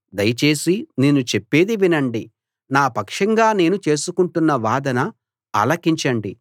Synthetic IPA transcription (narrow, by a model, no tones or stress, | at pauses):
d̪ɐjɐt͡ʃe̞ːsineːnːut͡ʃepːe̞ːd̪iʋinɐɳɖi | naːpɐkʂɐŋɡaːne̞ːnut͡ʃe̞ːsukuɳʈunːɐʋaːd̪ɐnɐ̰ː | lɐkiɲt͡ʃɐɳɖi